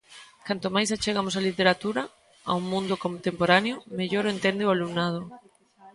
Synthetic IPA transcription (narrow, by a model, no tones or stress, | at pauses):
kant̪omajsat͡ʃeɣamosalit̪eɾat̪uɾa | a̰uŋmũnd̪okont̪empoɾanjomeʎoɾoent̪end̪ealumnað̞ʊ